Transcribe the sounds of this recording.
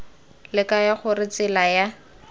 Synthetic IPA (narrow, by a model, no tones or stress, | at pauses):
lɪkajaχʊrɪt͡sɪlaja